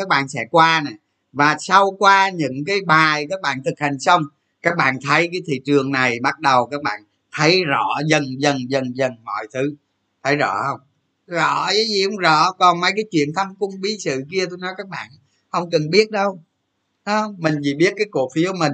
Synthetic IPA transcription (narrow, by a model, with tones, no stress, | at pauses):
kaː˦˥k̚ɓa̰ː˧˨nsɛ̰˧˥kwaː˧na˨˩ | vaː˨˩sa˧wkwaː˧ɲɨ̰˧˥ŋkaː˨˦jɓaː˨˩jkaː˦˥k̚ɓa̰ː˧˨nt̪ʰɨ˨˩k̚ha˨˩jŋ̟sə˧wŋ͡m | kaː˦˥k̚ɓa̰ː˧˨nt̪ʰə˨˦jkaː˨˦jt̪ʰḭ˧˨t͡ɕɨ˨˩əŋna˨˩jɓa˦˥t̚ɗə˨˩wkaː˦˥k̚ɓa̰ː˧˨n | t̪ʰə˨˦jzɔ̰˧˩˨zə˨˩nzə˨˩nzə˨˩nzə˨˩nmɔ̰˧˨jt̪ʰɨ˨˦ | t̪ʰə˨˦jzɔ̰˧˩hə˧wŋ͡m | zɔ̰˧˩˥a˨˦zi˨˩hə˧wŋ͡mzɔ̰˧˨kɔ˨˩nma˧jkaː˨˦jt͡ɕwḭ˧˨ənt̪ʰa˧mkʊ˧ŋ͡mɓi˨˦sɨ̰˧˨ki˧ət̪o˧jnɔ˨˦jkaː˦˥k̚ɓa̰ː˧˨n | hə˧wŋ͡mkə˨˩nɓi˦˥ət̚ɗə˧w | a˨˦hə˧wŋ͡mmï˨˩ŋ̟zi˨˩ɓi˦˥ət̚kaː˨˦jku˨˩əfi˨˦əwmï˨˩ŋ